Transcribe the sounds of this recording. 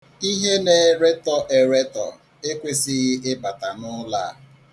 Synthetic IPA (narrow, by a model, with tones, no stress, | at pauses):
i˦ɦe˦ne˨ɾe˦tɔ˨ʔe˨ɾe˦tɔ̰˨ | e˦kʷe˦si˦ɣɪ˦ʔɪ˦ba˨ta˨nʊ˦la˦˨